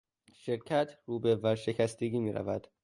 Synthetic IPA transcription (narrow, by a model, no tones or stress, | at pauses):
ʃeɾcʰæt̪ʰɾuːbevæɾʃe̞cʰæst̪eɡiːmiːɾæ̰væd̪̥